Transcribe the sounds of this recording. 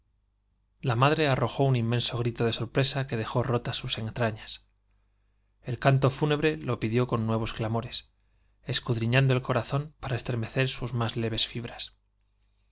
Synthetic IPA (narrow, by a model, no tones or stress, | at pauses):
lamaðɾe̞aro̞xo̞unimːe̞nso̞ɣ̞ɾit̪o̞ðe̞so̞ɾpɾe̞sake̞ð̞e̞xo̞ro̞t̪asuse̞nt̪ɾaɲas | e̞lkant̪o̞fune̞βɾe̞lo̞piðjo̞ko̞nːwe̞β̞o̞sklamo̞ɾe̞s | e̞skuðɾiɲãnd̪o̞e̞lko̞ɾaθo̞mpaɾaest̪ɾe̞me̞θe̞ɾsuzmazle̞β̞e̞sfiβɾas